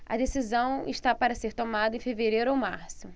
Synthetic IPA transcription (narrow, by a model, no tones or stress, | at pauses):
ɐ̰d̪esizɐ̃w̃ɪʃt̪apaɾɐseɾt̪omad̪ɐẽfeveɾejɾʊowmaɾsʊ